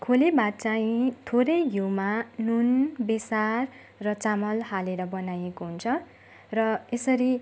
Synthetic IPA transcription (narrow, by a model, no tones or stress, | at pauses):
kʰolibat̚t͡saĩt̪ʰoɾʌjɦuwmanunbesarː | ʌt͡samʌlhaleɾʌbʌnajekoɦunt͡sʰʌ | rʌesʌɾi